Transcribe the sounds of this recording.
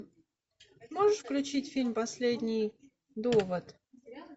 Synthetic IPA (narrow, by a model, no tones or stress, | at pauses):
moʐɨʂfklʲʉt͡ɕitʲfʲilʲmʲpɐsʲlʲedʲnʲij | d̪ovət̪